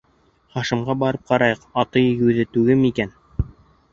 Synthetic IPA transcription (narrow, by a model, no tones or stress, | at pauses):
χɑʃɤ̆mʁɑbɑɾɤp̚qɑɾɑjɤqɑt̪ɤjjʉðɘt̪ʉɡɘmikæn